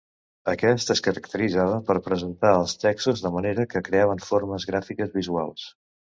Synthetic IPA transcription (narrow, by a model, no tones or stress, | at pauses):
əkɛst̪əskəɾəkt̪əɾid͡zaβ̞əpəɾpɾəzənt̪aəlˠst̪ɛksuzðəməneɾəkəkɾeaβ̞əɱfoɾməzɣɾafikəzβizua̰lˠs